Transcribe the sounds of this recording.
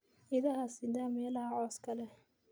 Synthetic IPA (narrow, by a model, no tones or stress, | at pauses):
ɪðɐhɐsɪd̪aːmɛːlɐhɐʕɔːskʰɐlɛ